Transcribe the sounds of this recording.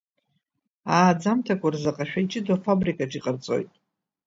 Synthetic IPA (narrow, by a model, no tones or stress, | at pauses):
aːd͡zamtʰakʷʰarzaqʼaʃᶣait͡ʃʼɪdwafabrikʼaʈ͡ʂʰʼiqʼərt͡sʼo̞̰jtʼ